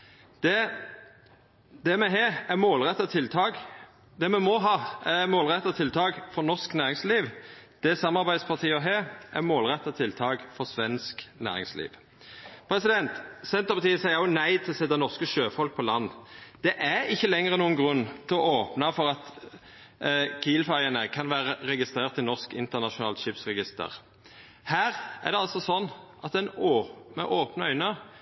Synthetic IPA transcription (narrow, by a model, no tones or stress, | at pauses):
d̪̥ɛ | d̪ɛmɛɦeːæmoːlʁɛt̪ːɑt̪ʰɪlt̪ʰɑːɡ | d̪ɛmɛmɔɦɑːæmoːlʁɛt̪ːɑt̪ʰɪlt̪ʰɑːɡfɔnɔʁsknæːʁɪŋsliːʋd̪̥ɛsɑmːɑʁbæɪd̪spʰɑʁt̪ʰiːɔɦeːʔæmoːlʁɛt̪ːɑt̪ʰɪlt̪ʰɑːɡfɔʁsʋɛnsknæ̰ːʁɪ̰ŋslḭːʋ | pʰʁɛsɪd̪ɛnt̪sɛnt̪əʁpɑt̪iːəsæɪəʊnæɪt̪ʰɪlɔsɛt̪ːɑnɔʁskəʃøːfɔlk̚pʰɔlɑnːd̪̥ɛʔæɪçːəlɛŋːəʁənuːənɡʁʉnːt̪ʰɪlɔoːpnɑfɔʁɑt̪ | kʰiːlfæʁɪənəkʰɑnʋæːʁəʁɛɡɪst̪ʁeːʁt̪ːɪlnɔʁskɪ̰nt̪ənɑʃʊnɑːlʃɪpsʁɛɡɪst̪ə̰ʁ | hæːʁæ̰ʁd̪ɛɑlsɔsɔnːʔɑt̪ɛnomə̰ʔoːpnəœʏnə